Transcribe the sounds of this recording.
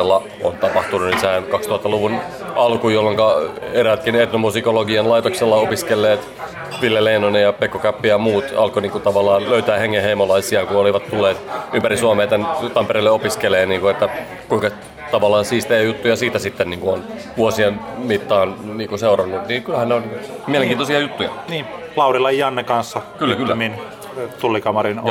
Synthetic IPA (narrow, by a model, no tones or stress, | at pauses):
lːɑ | ont̪ɑpɑht̪ununisæːnkɑkst̪uhɑt̪ːɑluʋun | ɑlkujolːoŋkɑeɾæt̪kinet̪nomusikoloɡiɑnlɑjt̪okselːɑopiskelːeːt̪ | ʋilːeleinonejɑpekːokæpːijɑmuːt̪ɑ̰lkoniːŋkut̪ɑʋɑlːˑɑːnløyt̪æːheŋːẽheimolɑisiɑkuoliʋɑt̪t̪ulːeːt̪ympæɾisuɑmeːt̪ent̪ɑmpeɾeilːeopiskeleːniːŋkuet̪ːæ | kuiŋkɑ | t̪ɑʋɑlːˑɑːnsiːst̪ejæjut̪ːujɑsiːt̪æsit̪ːenniːŋkuonʋuosienmit̪ːɑːnniːŋkunseurɑnːut̪niːkylhænneonmieleŋkiːnosiɑjut̪ːujɑ̰niː | lɑurilɑjjɑnːekɑnsːɑkylːækylːmːin | t̪ulːikɑmɑrin